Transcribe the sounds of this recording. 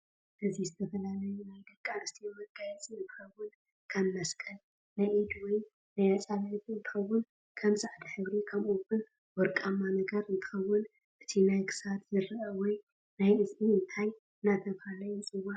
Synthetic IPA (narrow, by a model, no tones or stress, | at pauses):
ʔɨzizɨt̪ʰɐfɐlalɐjunajd̪ɐkʼːanɨst̪ʰimɐɡajɛt͡sʼiɨnt̪ʰɨ̥xɐwːʊn | kʰɐmːɐskʼɐl | najʔid̪wɔj | najat͡sʼaβt̪ɨnt̪ʰɨ̥xɐwːʊn | kʰɐmsaʕd̪ħɨβɾikʰɐmuwʊn | wɔɾkʼamːanɐɡɐɾɨnt̪ʰɨ̥xɐwːʊn | ʔɨt̪ʰinajkʰɨ̥sat̪zɨɾɨʔɐwɔj | najɨziɨnt̪ʰaj | ɨnat̪ʰɐβhalɐjut͡sʼɨwa